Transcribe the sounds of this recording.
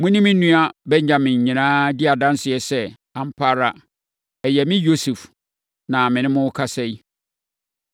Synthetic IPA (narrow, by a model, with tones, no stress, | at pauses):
mʊ̃˦nɪ̃˦mɪ̃˦nũ˦a˦bɛ̃˦ɲ˨ã˨mɪ̃˨ɲ̩˨ɲĩ˨nãː˦dɪ˦a˨dã˦n˦sɪ˨ɛ˨sɛ˦ | ã˨m˦pʰa˦ɾa˨ | ɛ˨jɛ˨mɪ̃˦jo˦su˨f | nã˨mɪ̃˨nɪ̃˦mʊ̃˦kʰa˦sɛ˦i˦